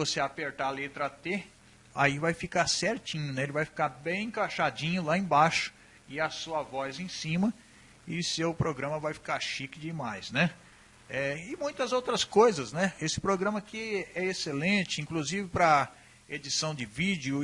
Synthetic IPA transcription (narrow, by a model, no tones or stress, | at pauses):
voseapeɾt̪alet̪ɾɐt̪e | a̰ivajfikasɛɾt͡ʃĩɲʊnɛelɪvajfi̥kaɾbẽj̃ẽkaʃad͡ʒĩɲʊlaẽbaʃʊ̥ | ɪɐsuɐvɔjzẽj̃sĩmɐ | ɪsewpɾoɡɾɐ̃mɐvajfi̥kaɾʃikɪd͡ʒɪmajsnɛ | ɛɪmũj̃t̪ɐzowt̪ɾɐskojzɐznɛesɪ̥pɾoɡɾɐ̃mɐkɪɛeselẽt͡ʃɪĩkluzivɪpɾɐ | ed͡ʒisɐ̃w̃d͡ʒɪvid͡ʒjʊ